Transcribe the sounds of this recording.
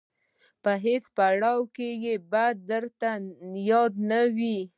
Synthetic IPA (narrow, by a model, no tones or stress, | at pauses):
pəɦet͡spaɽɑwkejebad̪̚ːəɾt̪ajɑd̪nawi